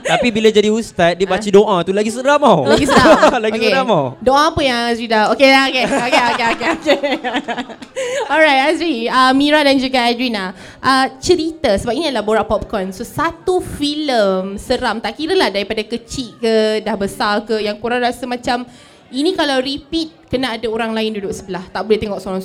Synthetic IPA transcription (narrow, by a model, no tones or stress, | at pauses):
t̪apibilad͡ʒadiust̪at̪̚dibat͡ʃədoʔãt̪ulaɡisəɾamawlaɡisəɾaalaɡoskeəɾamawdoʔãːpəjaŋasidaokeokeokeokeokeoke | ɔlɾajt̪̚asiəmiɾadand͡ʒuɡaadɾina | ʔət͡ʃəɾit̪əsəbap̚iniadəlahboɾaʔpɔp̚kɔnsosat̪ufiləmsəɾamt̪aʔkiɾəlahdaɾipadakət͡ʃiʔkədahbəsalkəjaŋkuɾaŋɾasəmãt͡ʃam | inĩkalawɾipit̪̚kənaːdaoɾaŋlaɪndudʊʔsəbəlaht̪aʔbuleht̪eŋɔʔsoɾaŋ